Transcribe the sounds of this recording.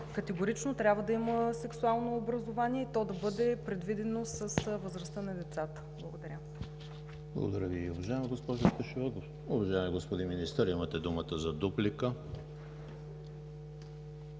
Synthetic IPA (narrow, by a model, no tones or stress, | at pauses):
kɐt̪ɛɡoɾit͡ʃnot̪ɾʲabvəd̪ɐiməsɛksualˠnoːbɾɐzovaniɛit̪ɔd̪ɐbɤd̪ɛpɾɛd̪vid̪ɛnosəsvəzɾɐst̪ənɐd̪ɛt̪sat̪ə̥blˠəɡod̪ɐɾʲə | blˠə̰ɡo̰d̪ɐɾʲəviovɐʒaɛmiɡospɔʒost̪ɐʃivɔd̪of | ʊvɐʒaɛmiɡospod̪inminist̪əɾimət̪ɛd̪umət̪əzɐd̪uplikə